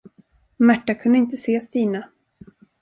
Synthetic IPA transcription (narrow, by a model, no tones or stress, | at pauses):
mæʈːakʰɵnd̪əɪnt̪əseːst̪iːna